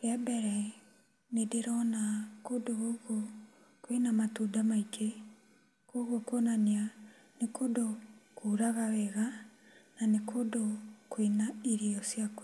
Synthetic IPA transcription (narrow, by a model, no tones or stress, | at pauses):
ɣɛbɛɾɛ | nedeɾɔnakodoɣoɣo | kwenamatudamaike | koɣokonanea | nekodokuɾaɣawɛɣa | nanekʰodokwenaiɾiɔsjako